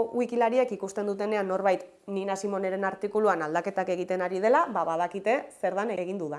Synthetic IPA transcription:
wikilaɾiekikust̪end̪ut̪̬e̞ne̞anːo̞ɾβajt̪ | ninasimo̞ne̞ɾe̞naɾt̪ikuluanald̪ake̞t̪ake̞ɣ̞it̪e̞naɾið̞e̞laβaβaðakit̪e̞se̞ɾðaneɣind̪uða

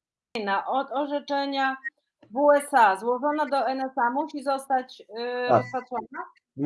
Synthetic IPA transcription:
jnaʔɔt̪ɔʐɛt͡ʂɛɲa | vuɛsazwɔʐɔnad̪ɔɛnɛsamuɕizɔst̪at͡ɕ | sfat̪suana

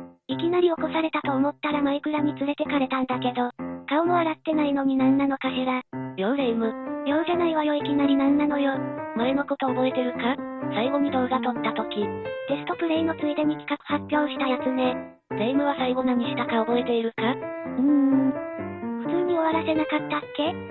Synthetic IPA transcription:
ikʲinaɾʲio̞ko̞saɾe̞t̪at̪o̞ːmo̞t̪ːaɾamaikɯ̟ɾam̟ʲit͡sɨɾe̞t̪e̞kaɾe̞t̪ãnd̪ake̞d̪o̞kaomoβaɾat̪ːe̞naino̞ɲ̟inãnːano̞kaɕiɾajoɾeimɯ̟jo̞ːɡenaiβajo̞ikʲinaɾʲinãnːano̞jomaɾeno̞ko̞t̪o̞ːbo̞et̪e̞ɾɯ̟kasaiɡo̞ɲ̟ʲid̪o̞ːɡat̪o̞t̪ːat̪o̞kʲid̪̥e̞sɨ̥t̪o̞pɯ̟ɾe̞inot͡sɨit̪eɲ̟ikʲi̥kakɯ̟̥hapʲːjo̞ːɕi̥t̪ajasɨne̞ | ɾeimɯ̟β̞asaiɡo̞naɲiɕi̥t̪akaobo̞e̞t̪e̞iɾɯ̟kaɯ̟̃ɴ | ɸɯ̟t͡sɨːɲ̟io̞βaɾase̞nakat̪ːakːe̞

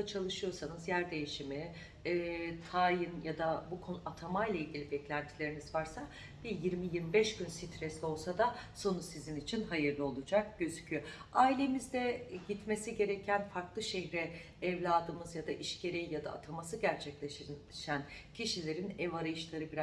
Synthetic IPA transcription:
at͡ʃʰalˠɯʃɯjo̞sanɯzjæɾd̪e̞jiʃimiː | t̪ʰajɯnjad̪abukʰonat̪ʰamajlˠailʲɟʲilʲibɛclʲænt̪ʰilʲe̞ɾinizvaɾsa | b̥ijiɾmijiɾmibɛʃɟ̥ynsit̪ʰɾɛsʲio̞lˠsad̪aso̞nusizinit͡ʃʰinɦajɯɾlˠɯo̞lˠud͡ʒak̚ɟ̥ø̞zycʰyjo | aːilʲe̞mizd̪ɛɟit̪me̞siɟe̞ɾecʰænfaɾklˠɯʃeɦɾɛː | vlʲaːd̪ɯmɯzjad̪aʔiʃcʰe̞ɾejijad̪a̰ːt̪ʰamasɯɟæɾt͡ʃʰɛclʲeʃ | ʃæncʰiʃilʲe̞ɾinɛvaɾajɯʃlˠaɾɯbiɾa

